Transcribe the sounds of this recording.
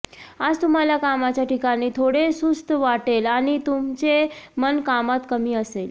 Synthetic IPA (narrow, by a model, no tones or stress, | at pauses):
ad͡zt̪um̤aljakamat͡ɕjaʈikaniːt̪ʰoɽesust̪əʋaʈelaɽ̃it̪umt͡semənkamat̪kəmiːəsel